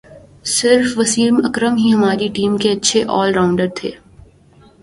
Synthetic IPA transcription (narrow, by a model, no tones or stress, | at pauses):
sɪɾfʋɐsiːɾmɐkɾəmɦiɦɐmaːɾiʈiːmkeɐtːʃʰeʔɔːlɾaːʊ̃ɳɖəɾt̪ʰḛː